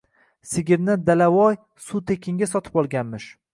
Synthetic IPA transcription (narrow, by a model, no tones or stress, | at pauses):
sɪɡʲɪɾnɪd̪alawɒj | sut̪ʰe̞kʲʰɪŋɡʲas̬ɒt̪ʰɪ̥pɒlˠɡʲanmɪʃ